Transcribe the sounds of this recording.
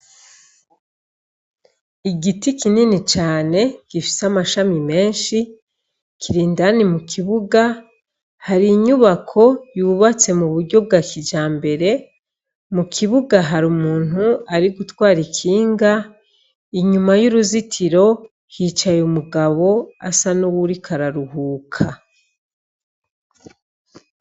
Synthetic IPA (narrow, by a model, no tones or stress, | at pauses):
iɡitikininit͡ʃaːne̞ɡ̥ifi̥seamaʃamime̞ːnʃi | kiɾiːndanimukʰiβuɡa | haɾiɲuβakʰo̞juβat͡se̞muβuɾɟo̞b̚ɡaːkid͡ʒaːmbe̞ɾe̞ | mukʰiβuɡaɦaɾumuːn̥uaɾiɡutwaːɾikʰiːŋɡa | iɲumajuɾuzitʰiɾo̞ | hiːt͡ʃajumuɡaβo̞a̰sanuwuɾikʰaɾaɾuhuːkʰa